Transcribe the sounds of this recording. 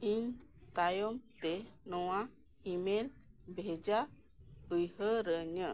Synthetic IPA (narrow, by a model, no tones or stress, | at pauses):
iɲt̪ajɔmt̪ɛnɔwa | imelbʱɛd͡ʒa | ɯjɦəɾəɲə